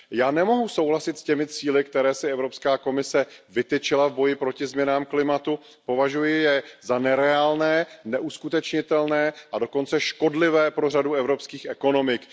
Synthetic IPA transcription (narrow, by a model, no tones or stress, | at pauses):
jaːnɛmo̞ɦuso̞wɦlasɪt̪scɛmɪt͡siːlɪkt̪ɛɾɛːsɪɛvɾo̞pskaːko̞mɪsɛvɪt̪ɪt͡ʃɪlavbo̞jɪpɾo̞cɪzmɲɛnaːmklɪmat̪u | po̞vaʒujɪjɛzanɛɾɛaːlnɛːnɛʔuskut̪ɛt͡ʃɲɪt̪ɛlnɛːʔado̞ko̞nt͡sɛʃko̞dlɪvɛːpɾo̞r̝aduɛvɾo̞pskiːxʔɛko̞no̞mɪk